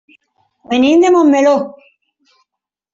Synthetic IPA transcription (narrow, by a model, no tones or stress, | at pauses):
menĩnd̪emomːelo